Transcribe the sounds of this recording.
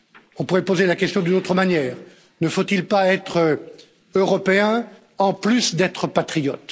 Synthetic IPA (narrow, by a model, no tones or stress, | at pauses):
ɔ̃puʁɛpozelakʲɛst̪jɔ̃d̪ynot̪χəmanjɛːʁ | nəfot̪ilpaɛt̪χə | øʁɔpeɛ̃ | ɑ̃plysd̪ɛt̪χəpat̪χijɔt̪